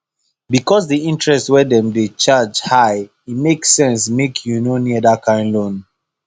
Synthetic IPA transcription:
bikɔsdiĩntɹɛstwɛdɛ̃mdet͡ʃad͡ʒhaɪ | itmeksɛ̃nsmekʰjunoɛniɛdakãɪ̃nlõn

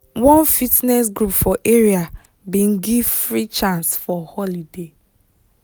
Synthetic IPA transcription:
wɔ̃nfitnɛsɡɾupfɔʔeɹia | bĩn̩ɡivfɹit͡ʃãnsfɔhɔlide

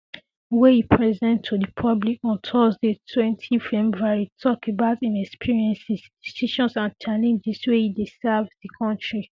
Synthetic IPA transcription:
wehipʰɹɛzɛ̃ntʰudipʰɔblikɔ̃ntʰɔsdetʰwɛ̃ntʰifɛbuaɹitʰɔkebaʊtĩnɛkspʰiɹiɛ̃nsisd̥isiʃɔ̃nsãntʰɛnĩndiswehidesɛvdikʰɔ̃ntɹi

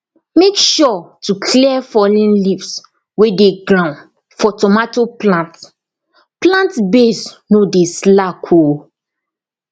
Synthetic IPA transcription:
mekʃɔtukʰlifɔlĩnlips | wedeɡɹãʊ̃n | fɔtɔmatoplãnt | plãntbesnodeslakʰo

